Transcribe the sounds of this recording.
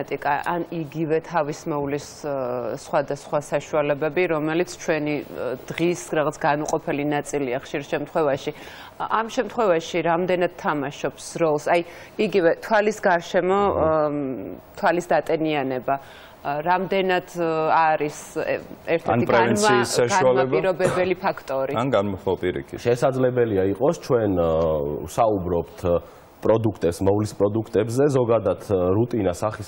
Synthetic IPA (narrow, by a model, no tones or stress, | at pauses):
t̪ʼikʼaʔaniɡivɛt̪ʰavismɛulisː | χwad̪asχwasaʃualɛbɛbiɾɔmɛlit̪sʰt͡ʃʰwɛnid̪̥ʁisɾaʁat̪sʰɡanuqʼɔpʰɛlinat̪sʼiliaχʃiɾʃɛmt̪ʰχwɛvaʃi | amʃɛmt̪ʰχwɛvaʃiɾamd̪ɛnad̪̥̚t̪ʰːamaʃɔpsɾɔlˠsaj | iɡivɛt̪ʰwalisɡaɾʃɛmɔ | t̪ʰwalisd̪at̪ʼɛnianɛba | ɾamd̪ɛnad̪̥aɾisɛɾt̪ʰɛnipʼɾɛvɛnisːaʃɡaualɛpbiɾɔbɛbɛlipʰakʰt̪ʼɔɾianɡanmɔapʼiɾḭkʰḭt̪ʃɛsad̪zlɛbɛliaiqʼɔst͡ʃʰwɛn | saubɾɔpt̪ʰ | pʼɾɔd̪ukʰt̪ʼɛpsmɔvlispʼɾɔd̪ukʰt̪ʼɛbzɛzɔɡad̪at̪ʰɾut̪ʼinasaχis